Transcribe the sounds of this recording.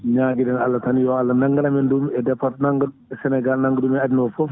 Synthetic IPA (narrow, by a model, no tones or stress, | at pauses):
ɲaːɡidɛnalːɐtɐnjɔalːɐnɐŋɡɐnɐmɛndumɛdɛfɐt̚nɐŋɡ | ɛsɛnɛɡalnɐŋɡdumɛadnɔfɔ